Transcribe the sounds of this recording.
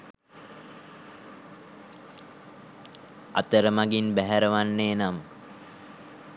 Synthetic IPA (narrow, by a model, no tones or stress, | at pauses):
a̰t̪əɾəmaɡinbæɦæɾəʋanːeːnam